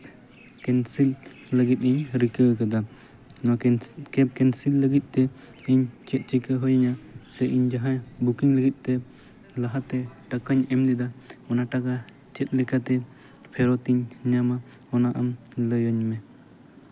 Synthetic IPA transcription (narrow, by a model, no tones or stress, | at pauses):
kɛnsilː | əɡit̪̚iɲɾikəkad̪a | nɔkɛp̚kɛnsilːəɡit̪̚ˀt̪ɛ | iɲt͡ʃɛt̪̚ˀt͡ʃikəɦɔjaɲasɛʔiɲd͡ʒaɦãbukiŋləɡit̪̚ˀt̪ɛ | laɦat̪ɛʈakaɲɛmlid̪aɔnaʈaka | t͡ʃɛt̪̚ˀlɛkat̪ɛ | pʰɛɾɔt̪iɲɲama | ɔnaʔamləjɔɲmɛ